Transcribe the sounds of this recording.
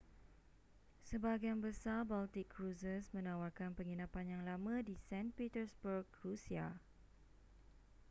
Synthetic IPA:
səbaɡaanbəsarbalt̪ikʰːɾusəsmə̃nãwarkanpəŋinãpanjaŋlamãdisɛ̃npit̪əsbərɡɾusia

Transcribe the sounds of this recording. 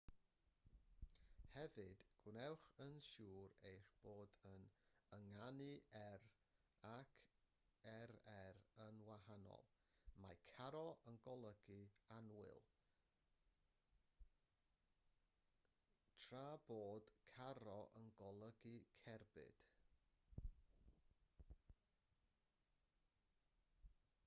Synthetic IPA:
hɛvɨd̥ɡ̥wnɛwχənʃuːɾejχb̥oːdənəŋanɨɛr | akʰ | ɛɾɛrənwahanɔ̰lˠ | ma̰jkʰaɾɔʔənɡɔlˠəɡɨanwɪ̰lˠ | tʰraːboːd̥kʰaɾɔʔənɡɔlˠəɡikʰɛrbɨ̰d̥

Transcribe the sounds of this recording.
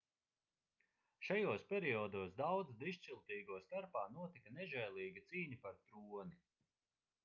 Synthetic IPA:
ʃajoːspʲɛɾiɔːd̪uːsd̪awd̪zd̪iʃt͡ʃilˠt̪iːɡuɔst̪aɾpaːnuɔt̪ikɐnɛʒɛjlˠiːɡit̪siːɲipaɾt̪ɾuɔni

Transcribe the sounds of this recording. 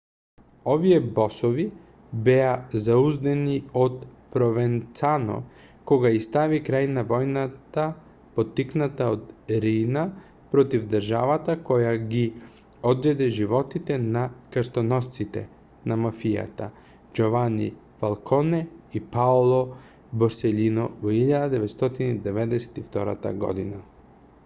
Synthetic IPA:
ovijɛbɔsovi | bɛazauzd̪ɛniot̪pɾovɛnt̪sanɔ̰ | kɔɡaist̪avikɾajnavɔjnat̪a | pot̪ːiknat̪aot̪ɾina | pɾɔt̪ivd̪əɾʒa̰vat̪akɔjaɡi | od̪zɛd̪ɛʒiʋɔt̪it̪ɛnakɾst̪onɔst̪sit̪ɛ̰ | namafija̰t̪a̰ | d͡ʒovanḭ | falˠkʰɔnɛipaolˠɔ | bɔɾsɛlinɔvɔiʎːad̪ad̪ɛʋɛt̪st̪ot̪inid̪ɛvɛd̪ɛsɛ̥t̪ift̪ɔɾa̰t̪a̰ɡɔ̰d̪ina

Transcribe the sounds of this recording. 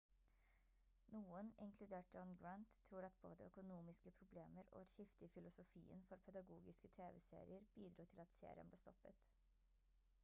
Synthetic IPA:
nuːənɪŋkʰlʉd̪eːʈ̚d͡ʒɔnɡɹɑnt̪ʰːɾuːɾɑt̪̚bo̰ːd̪əœkʊnuːmɪskəpʰɾʊbleːməɾo̰ːɑt̪çɪft̪ɪfɪlʊsʊfḭːə̰nfɔɾpʰɛd̪ɑɡuːɡɪskət̪ʰeːʋɛsḛːɾɪəɾbiːd̪ɾuːt̪ʰɪlɑt̪sḛːɾɪənbleːst̪ɔpːət̪

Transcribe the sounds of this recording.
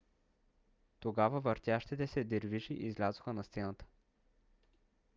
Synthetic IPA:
t̪oɡavəvɐɾt̪ʲjaʃt̪it̪ɛsɛd̪iɾviʃiʔizlʲazoxənɐst̪sɛnət̪ə̥

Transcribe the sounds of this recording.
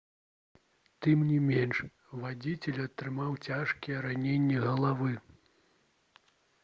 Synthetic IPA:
t̪ɨmnʲimʲenʂ | vad͡zʲit͡sʲɛlʲɐt̪ɾɨmawt͡sʲaʂkʲijɛɾanʲenʲːɛɣɐlˠavɨ

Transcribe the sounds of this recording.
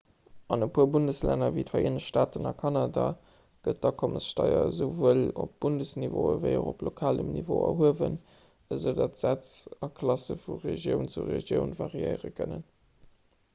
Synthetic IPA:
ɑnəpʰuːɐbundəslænɐvitfɐiːnəɕʃtaːtənɑkʰɑnada | ɡ̥ət̚d̥ɑkʰoməsʃtɑɪɐzəʊvuəlop̚b̥undəsnivoːəvəɪoʁoplokʰaːləmnivoːɐ̰ɦuəvən | əzəʊdɑtz̥æt͡sɑkʰlɑsəfuʁeʒjəʊnt͡suʁeʒjəʊnvɑʁiəɪʁəkʰənən

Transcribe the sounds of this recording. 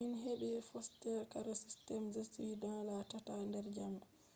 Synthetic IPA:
inɦeɓɛfɔstɛɾkaɾɔsistɛmzesidãlatatandɛɾd͡ʒam

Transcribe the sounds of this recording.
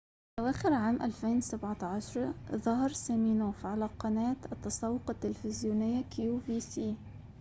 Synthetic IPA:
ʔawaːxɪɾʕaːmʔalfeːnwsabʕat̪ʕaʃɑɾˤɑðɑɦɑɾˤsaːmiːnoːfʕalaqɑnaːt̪ʔɑt̪ːɑsˤɑːwːʊqɑt̪ːɪlfɪzjuːnɪjːakjuːviːsiː

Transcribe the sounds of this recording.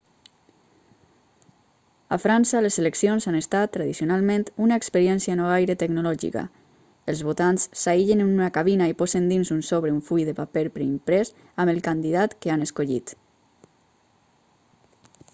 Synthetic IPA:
a̰fɾansəlezeleksionzanest̪at̪ːɾaðisionalˠmẽnt̪unaekspəɾjɛnsianoajɾət̪əɡnulɔʒḭka̰ | əlˠzβot̪ansːaiʎenenunakaβinaipɔzənd̪inzunsoβɾeuɱfujðəpapelpɾeimpɾɛs | aməlˠkand̪iðat̪kəanəskoʎḭt̪

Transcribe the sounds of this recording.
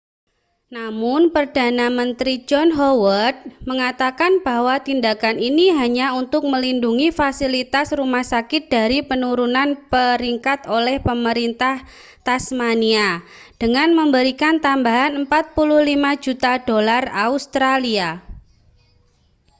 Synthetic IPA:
namʊnpərd̥anamənt̪ɾid͡ʒɔnɦɔwərt̪̚məŋat̪akanb̥ahwat̪indakaniniɦaɲaunt̪ʊk̚məlinduŋifasilit̪asrumahsakɪt̪̚d̥aɾipənuɾunanpəɾiŋkat̪olɛhpəməɾint̪ah | t̪asmania | d̥əŋanməmbəɾikant̪ambaɦanəmpat̪̚pulʊhlimad͡ʒut̪ad̥olaraust̪ɾalia

